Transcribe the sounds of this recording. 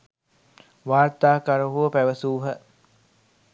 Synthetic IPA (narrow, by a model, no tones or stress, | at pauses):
ʋaːrt̪aːkaɾuɦuəpæʋəsuːɦə